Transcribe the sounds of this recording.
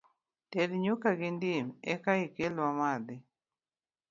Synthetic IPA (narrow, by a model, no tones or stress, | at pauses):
ted̪ɲukaɡɪndimɛkaɪkelwamad̪ɪ